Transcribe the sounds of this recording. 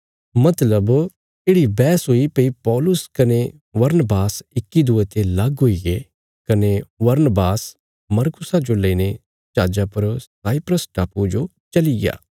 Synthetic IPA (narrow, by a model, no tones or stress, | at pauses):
mɐt̪ləb | eːɽibɛːsɦoːipeipɔːlʊskɐne | ʋɐɾnbaːsɪkːid̪uet̪elɐɡɦoiɡe | kɐneʋɐɾnbaːs | mɐɾkʊsad͡ʒoleine | t͡ʃaːd͡ʒapɐɾsaːɪpɾəsʈaːpud͡ʒo | t͡ʃɐliɡa̰ː